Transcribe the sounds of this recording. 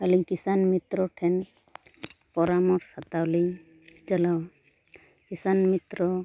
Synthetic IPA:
aliɡkisanmit̪ɾɔʈʰɛn | pɔɾamɔɾsat̪awlij | t͡ʃalaw | kisanmit̪ɾɔ

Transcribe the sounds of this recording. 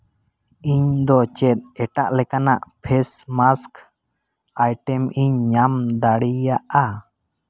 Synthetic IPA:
iɲd̪ɔt͡ʃɛt̪̚ɛʈaʔlɛkanaʔpʰɛsmask | ajʈɛmiɲːamd̪aɽijaʔa

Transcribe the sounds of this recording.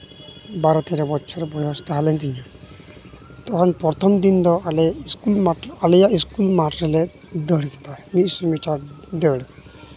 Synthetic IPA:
baɾɔt̪eɾebɔtːʃʰɔɾbɔjɦɔst̪aɦalent̪inia | t̪ɔkʰɔnpɾɔt̪ʰɔmd̪ind̪ɔaleiskulmaʈalejaiskulmaʈɾɔle | d̪ɔɽiki̥t̪amisɔmit͡ʃaʈ | d̪ewɽ

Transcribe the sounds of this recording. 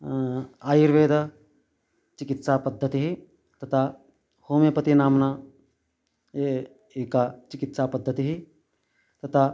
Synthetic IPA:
aːjiɾʋeːd̪ɐ | t͡ʃɪkit̪saːpɐd̪ʱːɐt̪iɦi | t̪ɐt̪ʰa | hoːmepɐt̪inaːmnaː | e | eːkaːt͡ʃɪkit̪saːpɐd̪ʱːɐt̪iɦi | t̪ɐt̪ʰa

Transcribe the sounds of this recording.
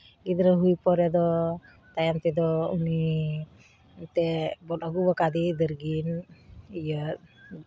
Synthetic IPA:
id̪əɾəɦujpɔɾɛd̪ɔ | t̪ajamt̪ɛd̪ɔuni | t̪ɛbɔnɔɡubəkad̪id̪əɾɡinijət̪̚

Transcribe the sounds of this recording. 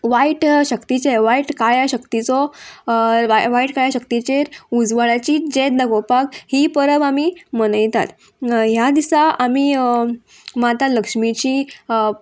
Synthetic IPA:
ʋaiʈɕəkt̪it͡ɕeʋaiʈkajaɕəkt̪it͡sɔ | ʋaʋaiʈkaɭjaɕəkt̪it͡ɕeɾud͡zʋəɭat͡ɕiːd͡ʑet̪̚d̪əɡɔpakɦipəɾəbamiməɽəjt̪a̰t̪ | ɦjad̪isaamiː | mat̪aləkʂmit͡ɕiː

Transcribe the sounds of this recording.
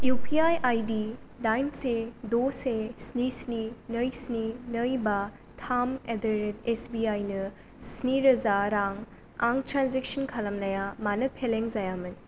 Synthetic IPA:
jupʰiajʔajdi | dajnsedosesnisninəjsninɐjbɐ | tʰamedɐɾetesbiajnɐ | sniɾɐzaɾaŋ | a̰ŋtɾanzek̚sɐnkʰɐlɐmnɐjamanɐpʰeleŋzajamɐn

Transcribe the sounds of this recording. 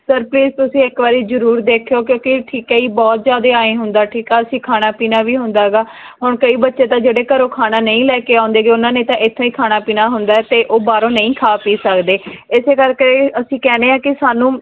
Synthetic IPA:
səɾpliːzt̪ʊsĩːɪkʋaːɾiːzəɾuːɾd̪eːkʰjoːkjõːkɪʈʰiːkɛːiːbɔːt̪zjaːd̪eːaːẽːɦʊnd̪aːʈʰiːkɛːəsĩːkʰaːnaːpiːnaːʋiːɦʊnd̪aːɦɛɡaː | ɦʊɳkəiːbətːʃeːt̪ãːd͡ʒeːɽeːkəɾoːkʰaːnaːnəĩːlɛːkeːãʊ̃nd̪eːɡeːʊnãːnẽːt̪ãːʔɪt̪ʰːõːiːkʰaːnaːpiːnaːɦʊnd̪aːɛːt̪eːʔoːbaːɾõːnəĩːkʰaːpiːsəkd̪eːɪseːkəɾkeəsĩːkɛːneːãːkɪsaːnũː

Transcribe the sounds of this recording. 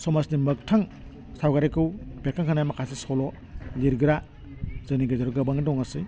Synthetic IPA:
sɔmasnimɯk̚tʰaŋ | sawɡaɾekɯwbekʰːaŋkʰɯnajmakʰasisɔlɔ | liɾɡɯɾa | zɯniɡɯzaɾɡɯbaŋdɔŋasɯj

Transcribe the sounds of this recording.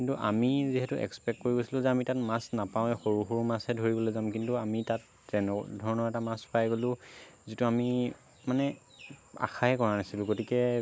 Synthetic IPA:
kintuʔa̰miziɦɛtuʔɛ̰kspɛkkoɹiɡojsilʊ̃zɛamitatmasnapaw̃ɛxoɹuxʊɹmasɛdʱoɹibɔlojzamkintuamitatː | ɛndʱɔɹɔnɔɹɛtamaspajɡolʊ̃zituami | manɛ | a̰xʰaɦɛkɔɹanasilʊ̃ɡotikɛ

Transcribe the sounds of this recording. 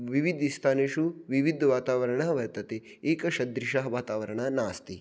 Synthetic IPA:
ʋiʋid̪ʱist̪ʰaːneːʃuʋiʋid̪ʱʋaːt̪aːʋɐɾɐɳɐɦɐʋɐɾt̪ɐt̪e | eːkɐʃɐd̪ɾiʃaɦɐʋaːt̪aːʋɐɾɐɳɐnaːst̪i

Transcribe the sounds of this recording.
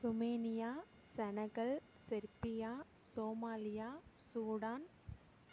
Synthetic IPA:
ɾʊmeːnɪjaː | sɛnɐɣɐɭ | sɪɾpɪjaː | soːmaːlɪjaːsuːɽaːn

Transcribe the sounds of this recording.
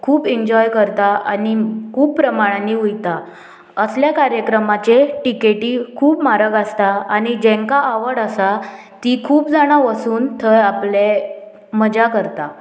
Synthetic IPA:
kʰuːpiɲd͡ʑɔjkəɾt̪aʔa̰nikʰuːpːɾəmaɽ̃aniujt̪a | əsljakaɾjəkɾəmat͡ɕeʈikeʈiːkʰuːpmaɾəɡast̪aañid͡ʑɛ̃ŋkaʔaʋəɽasa | t̪ikʰuːpd͡zaɽ̃aʋəsuːnt̪ʰəɾaple | məd͡ʑakəɾt̪a

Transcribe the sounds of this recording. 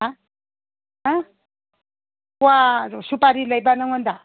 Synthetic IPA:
a | a | wasupaɾilajbanʌŋʌnd̪a

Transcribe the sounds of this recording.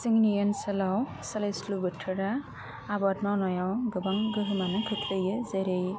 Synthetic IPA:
siŋnijansɐlaw | salejslubɯtʰːɯɾaː | bɔtmawnɔjawɡɯbaŋɡɯɦɯmanɯkʰɯtʰlɯjɯzeɾɯj

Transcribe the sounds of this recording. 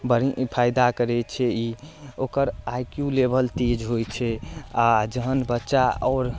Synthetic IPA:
bəɾipʰajd̪akəɾɛt͡ʃʰɛiokəɾajkjulebəlt̪ed͡ʒɦojt͡ʃʰɛad͡ʒəɦənbətːʃaɔːɾ

